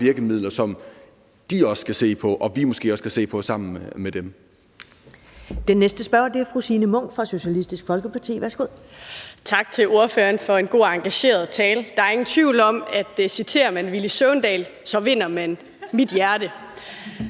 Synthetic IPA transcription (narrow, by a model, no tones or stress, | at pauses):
ʋiɐɡ̥əmið̞̰ˠlɐsɒ̽m | d̥iɒ̽skʰæse̝̰ːpʰɒ̽ʔɒ̽ʋimɔsɡ̥e̝̰ːɒ̽skʰæse̝̰ːpʰɒ̽sɑ̈m̰n̩med̥em | d̥enːesd̥əsb̥ɶɐ̰d̥e̝æɐfʁusiːnəmɔ̽ŋ̰fʁɑ̈ɕo̝ɕælisd̥isɡ̥fɒ̽lɡ̥əpʰɑ̈t͡sʰḭːʋæɐsɡ̥o̝ð̰ˠt͡sʰɑ̈ɡ̥̚t͡sʰe̝lo̝ɐføɐnfɒ̽e̝nɡ̥o̝̰ːɑ̈ŋɡ̥æɕe̝̰ːɐð̩ˠt͡sʰɛːld̥ɑ̈æɐe̝ŋn̩t͡sʰʋiʊlɒ̽mæd̥sit͡sʰe̝̰ːɐmænʋilisøʊnd̥ɛ̰ːlsɒ̽ʋe̝n̰ɐmæn | mid̥jæɐdə